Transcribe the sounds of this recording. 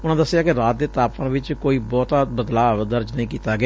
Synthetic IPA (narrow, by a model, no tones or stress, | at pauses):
ʊnãːd̪əsːɪjaːkɪɾaːt̪̚d̪eːt̪aːppãːʋɪt͡ʃkoːiːbɔːt̪aːbəd̪laːd̪əɾd͡ʒnəĩːkiːt̪aːɡɪa